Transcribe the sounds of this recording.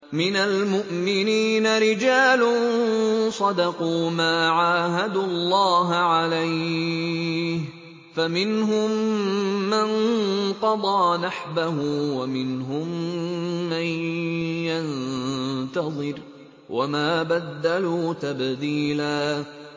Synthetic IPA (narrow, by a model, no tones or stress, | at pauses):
mɪnalmʊʔmɪniːnaɾɪd͡ʒaːlʊnsˤɑd̪ɑquːmaːʕaːɦad̪uɑlˤːɑːɦaʕalaj | h | famɪnɦʊmː | anqɑd̪ˤɑːnaħbahʊwamɪnɦʊmː | anjan | t̪ɑðˤɨɾ | wʔa̰maːbad̪ːaluːt̪abd̪iːlaː